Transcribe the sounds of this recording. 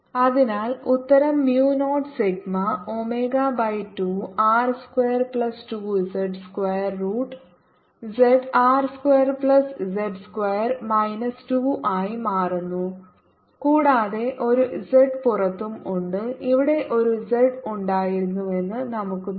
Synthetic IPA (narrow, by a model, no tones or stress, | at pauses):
ɐðinaːlut̪ːɐɾɐmːjuːno̞ːʈsiɡmɐo̞meːɡabɐjtːuːaːrskweːɐrpɭɐstuːd͡ʑeɖskwɐjɐrːuːʈː | d͡ʑeɖaːrskwejɐrpɭɐszeɖskwejɐrmɐjnɐstuːʔaːjimaːrunːu | kuːɽaːðe̞ʔo̞ɾud͡ʑeɖpurɐt̪ːumuɳɖɨiʋiɽe̞ʔo̞ɾud͡ʑeɖuɳɖaːjiɾunːue̞nːɨnɐmukːɨ